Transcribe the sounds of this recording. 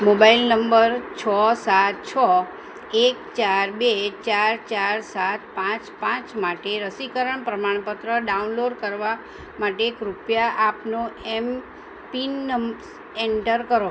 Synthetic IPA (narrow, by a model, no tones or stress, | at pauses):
mobailnəmbəɾt͡ʃʰɔsat̪̚t͡ʃʰɔ | ekt͡ʃaɾbet͡ʃaɾt͡ʃaɾsat̪̚pãt͡ʃpãt͡ʃmaʈeɾəsikəɾəɳpɾəmaɳ̃pət̪ɾəɖaunloɖkəɾʋa | maʈeːkɾupjaʔapnoɛm | pinːəms | eɳʈəɾkəɾo